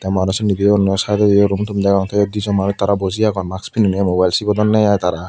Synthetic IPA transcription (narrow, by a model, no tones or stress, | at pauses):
t̪ɛmaɾɔsɔnːid̪iɔnɔsajd̪ɔdiɔɾumt̪ʰumd̪ɛkɔŋt̪ʰɔjɔd̪izɔmaɾit̪ːaɾabɔziaɡɔnmakspʰininɛmobajlsibɔd̪ɔnːɛjajt̪aɾa